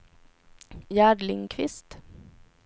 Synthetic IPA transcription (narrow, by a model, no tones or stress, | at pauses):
jæːɖlɪŋkʰʋɪst̪